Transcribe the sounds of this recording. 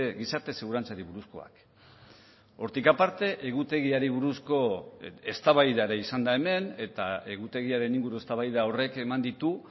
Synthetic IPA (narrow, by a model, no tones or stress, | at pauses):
ɣisaɾt̪e̞seɣuɾant͡saɾiβuɾusko̞̰a̰k | o̞ɾt̪ikapaɾt̪e̞ʔeɣ̞ut̪e̞ɣiaɾiβuɾusko̞e̞st̪aβajðaɾeisand̪ae̞me̞ne̞t̪ae̞ɣut̪e̞ɣ̞iaɾe̞niŋɡuɾue̞st̪aβajðao̞re̞ke̞mand̪it̪u